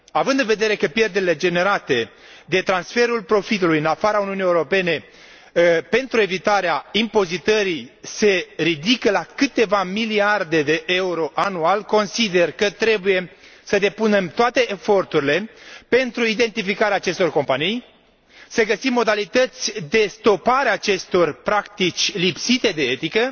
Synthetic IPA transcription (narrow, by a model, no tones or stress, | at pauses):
avɨnd̪ɨnve̞d̪e̞ɾe̞kəpje̞rd̪e̞ɾile̞d͡ʒe̞ne̞ɾat̪e̞ | d̪e̞t̪ɾansfe̞ɾulpɾo̞fit̪ulujɨnafaɾauniunije̞uɾo̞pe̞ne̞ | pe̞nt̪ɾue̞vit̪aɾeaimpo̞zit̪əɾise̞ɾid̪ikəlakɨt̪e̞vamiliard̪e̞d̪e̞ʔeuɾo̞ʔanualko̞nsid̪e̞rkət̪ɾe̞buje̞ | səd̪e̞pune̞mt̪oat̪e̞ʔːfo̞rt̪uɾile̞pe̞nt̪ɾuid̪e̞nt̪ifikaɾeaːt͡ʃe̞st̪o̞rko̞mpanij | səɡəsimːo̞d̪alit̪ət̪sʲd̪e̞st̪o̞paɾeaːt͡ʃe̞st̪o̞rpɾakt̪it͡ʃʲlipsit̪e̞d̪e̞et̪ikə